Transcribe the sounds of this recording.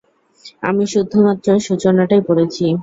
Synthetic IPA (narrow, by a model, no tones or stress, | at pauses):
a̰miʃud̪ʱːomat̪ːɾoʃut͡ɕonaʈajpoɾet͡ɕʰi